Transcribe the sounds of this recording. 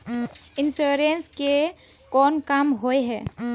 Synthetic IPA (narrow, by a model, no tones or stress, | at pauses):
ɪnsuːɾenske | kɔːnkamɦoeɦɛː